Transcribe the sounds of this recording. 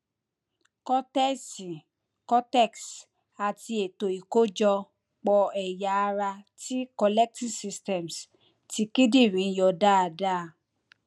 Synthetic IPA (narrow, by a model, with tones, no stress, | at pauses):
kɔ˦tɛ˦si˨ | kɔ˦tɛ˦˨ks | a˨ti˧e˨to˨i˨ko˦d͡ʒɔ˧ | k͡pɔ˧ɛ˨ja˨a˧ɾa˧ti˦kɔ˧lɛ˦k̚ti˦˨si˧stɛ˨ms | ti˧ki˦di˦˨ɾĩ˨˧˦jɔ˨da˦a˧˨da˦˨